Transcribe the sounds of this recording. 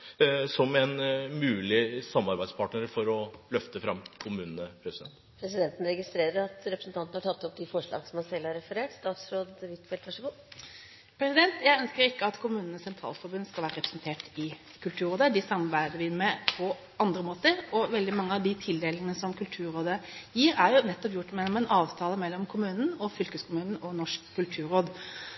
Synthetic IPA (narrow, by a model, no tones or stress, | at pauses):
sɔmɛnmʉːlɪsɑmːɑɾbæɪd̪spʰɑːʈɳəɾfɔɾɔlœft̪əfɾɑmkʰʊmʉːnnəpʰɾɛsd̪ɛ̰nt̪pʰɾɛsɪd̪ɛnt̪n̩ɾɛɡɪst̪ɾeːɾəɾɑt̪ɾɛpɾəsn̩t̪ɑnt̪n̩hɑʈʰɑt̪ːɔp̚d̪ɪfɔʂɭɑ̰ːɡənsɔmhɑnsɛlːɑɾɛfəɾeːʈst̪ɑːt̪sɾoːd̪ʋɪt̪fɛlt̪ʋɑʂɔɡuː | pʰɾɛsɪd̪ɛnt̪jæɪœnskəɾɪkːəɑt̪kʰʊmʉːnn̩əsɛnt̪ʰɾɑ̰ːlfɔɾbʉnskɑʋæːɾəɾɛpɾəsn̩t̪ʰeːʈɪ | kʰʉlt̪ʰʉːɾoːd̪əd̪ɪsɑmɑɾbæɪd̪əʋɪmɛpʰɔ | ɑnd̪ɾəmoːt̪əɾɔʋɛld̪ɪmɑŋːəɑʋd̪ɪt̪ʰɪld̪eːlənnəsɔmkʰʉlt̪ʰʉːɾoːd̪əjiːɾæɾjʊnɛt̪ːɔpjʊʈːmɛlːɔmɛnʔɑːʋt̪ʰɑːləmɛlːɔmkʰʊmʉːnn̩ɔfʏlkəskʰʊmʉːnn̩ɔnɔʂkʰːʉlt̪ʰʉːɾoːd̪